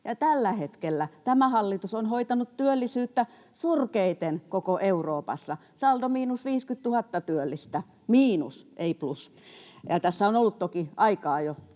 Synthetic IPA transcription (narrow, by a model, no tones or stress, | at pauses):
jɑt̪ælːæhet̪kelːæt̪æmæhɑlːit̪usonhoit̪ɑnut̪t̪yølːisyːt̪ːæ | surkeit̪enkokoʔeuroːpɑ̰sːɑsɑld̪omiːnusʋiːskyt̪t̪uhɑt̪ːɑt̪yølːist̪æ | miːnṵsʔeiplus | jɑt̪æsːæonolːut̪t̪okiʔɑikɑːjo